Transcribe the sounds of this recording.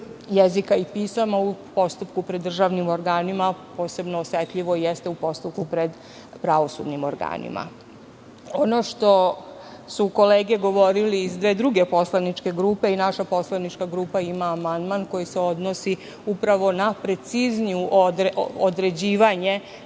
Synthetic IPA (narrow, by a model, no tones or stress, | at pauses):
jezikaipiːsamaupost̪upkupɾed̪ːr̩ʒaʋnimoɾɡaːnimapo̞ːse̞bnoːsjet̪ʎiʋo̞ijest̪eupo̞st̪up̚kupɾed̪ | pɾaʋo̞sṵd̪nimoɾɡa̰ːnḭmʔa̰ | onoʃt̪o̞ | suko̞leːɡeɡo̞ʋo̞ɾiliːzd̪ʋeːd̪ɾuɡepo̞slanit͡ʃke̞ɡɾupe̞inaʃapo̞slanit͡ʃkaɡɾuːpaimaːmand̪manko̞jise̞o̞d̪nosi | upɾaʋo̞napɾe̞t̪sizniuʔd̪od̪ɾe̞d͡ʑiːʋaɲe̞